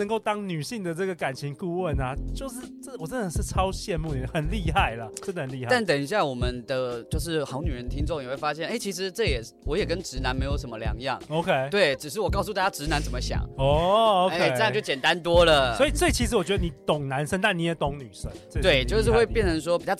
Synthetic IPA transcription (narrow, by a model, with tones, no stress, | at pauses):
ə˧˦ŋko˥˩ʊt̪ɑ˥ŋny˨˩ɕi˥˩ŋd̪ə˩ʈ͡ʂɤ˥˩ɡə˩ka˨˩nt͡ɕʰi˧˥ŋku˥˧wə˥˨˩na˨t͡ɕjo˥˧ʊʂɻ̩˥˨ʈ͡ʂə˥˩wɔ˨˩ʈ͡ʂə˥nə˨˩ʂɻ̩˥˩ʈ͡ʂʰɑ˥ʊɕjɛ˥˧nmu˥˨ni˨˩˨xə˨˩nli˥˧xa˥˩ɪlə˩ʈ͡ʂə˥nd̪ə˧ə˨˩nli˥˧a˥˧a˥˩nt̪ə˨˩ŋi˧˥ɕ̬ja˥˩wɔ˨˩mə˦nd̪ə˧t͡ɕjo˥˧ʊʂ̬ɻ̩˥˩xɑ˧˥ʊny˨˩ɻə˧˦nt̪ʰi˥ŋt͡so˥˩ŋjwe˥˩ɪfa˥ɕjɛ˥˨ne˥˩ɪt͡ɕʰi˧˥ʂ̬ɻ̩˧˥ʈ͡ʂɤ˥˩jɛ˨˩ | wɔ˧˥jɛ˨˩kə˦nʈ͡ʂɻ̩˧˥na˧˦nme˧˥ɪjo˧˩ʊʂə˧˥mə˧ljɑ̰˧˥ŋjɑ̰˥˨˩ŋo˧˥ʊkʰe˦ɪt̪we˥˩ɪʈ͡ʂɻ̩˨˩ʂ̬ɻ̩˥˩wɔ˨˩kɑ˥˧ʊs̬u˧a˥˩t͡ɕja˥ʈ͡ʂɻ̩˧˥na˧˦nt͡sə˨˩mə˦ɕjɑ̰˨˩ŋɔ˦o˥˧ʊkʰe˥ɪ˥ə˥˧jt͡ɕo˥˩t͡ɕɛ˨˩nt̪a˦nt̪wɔ˥lə˨swɔ˧˥i˨˩sɤ˥˩i˨˩t͡ɕʰi˧˥ʂ̬̩˧˥wɔ˨˩t͡ɕɥɛ˧˥ə˧˩ni˨˩t̪o˨˩ŋna˧˦nʂə˥nt̪a˥˩ni˧˥jɛ˨˩t̪o˧˥ŋny˨˩ʂə˦˥ŋt͡sə˥˩t̪we˥˩ɪt͡ɕjo˥˧ʊʂ̬ɻ̩˥˧we˥˧ɪpjɛ˥˨˩nt͡sʰə˧˥ʂ̬wɔ˥pi˨˩t͡ɕɑ˥˩